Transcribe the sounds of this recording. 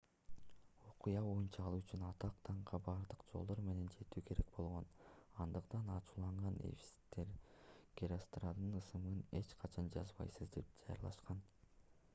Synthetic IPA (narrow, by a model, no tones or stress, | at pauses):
o̞qujɑβo̞junt͡ʃɑːlˠuyt͡ʃynɑt̪ɑq̚t̪ʰɑɴqɑbɑɾd̪ɯqd͡ʒo̞lˠd̪o̞ɾme̞ne̞nd͡ʒe̞t̪yːkʰe̞ɾe̞̰k̚bo̞lˠʁo̞nɑnd̪ɯqt̪ɑnɑt͡ʃuːlˠɑɴʁɑnḛfʲi̥si̥t̪ːe̞ɾɡ̥ʲeɾʲost̪rad̪ɯnɯsɯmɯne̞t͡ʃqʰɑt͡ʃʰɑnd͡ʒɑzbɑ̰jsɯzd̪e̞p̚d͡ʒɑjɑ̰ɾlˠɑ̰ʃqɑn